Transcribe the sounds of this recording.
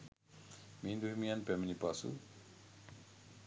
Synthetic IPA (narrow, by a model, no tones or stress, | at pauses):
mĩːnd̪uɦimijanpemənipaːsṵ